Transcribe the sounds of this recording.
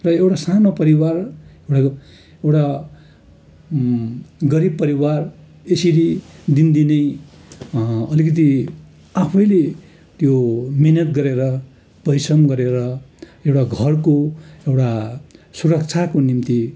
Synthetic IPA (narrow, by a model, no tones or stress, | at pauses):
rʌewʈasanopʌɾiwarewʈa | ewʈa | ɡʌɾib̚pʌɾiwar | esiɾid̪ind̪inʌj | ʌlikʌt̪̬i | apʰʌjle | t̪jominʌt̪̚ɡʌɾeɾʌ | b̥ʌjsʌmɡʌɾeɾʌ | ewʈaɡʱʌrkoewʈasuɾʌk̚t͡sʰakonimt̪i